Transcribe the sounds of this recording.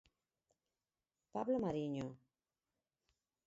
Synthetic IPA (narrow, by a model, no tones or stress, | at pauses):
pablomaɾiɲo